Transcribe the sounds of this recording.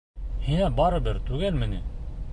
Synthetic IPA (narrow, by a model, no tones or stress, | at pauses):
hinæbɑɾɤ̆bɘɾt̪ʉɡælmɘ̆nɘ